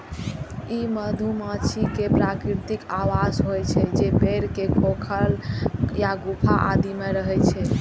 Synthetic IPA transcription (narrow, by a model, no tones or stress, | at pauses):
iməd̪ʱumãt͡ʃʰikepɾakɾit̪ikawasɦojt͡ʃʰɛd͡ʒepeɾkekʰokʰəljaɡupʰaʔa̰d̪imeɾəɦɛt͡ʃʰɛ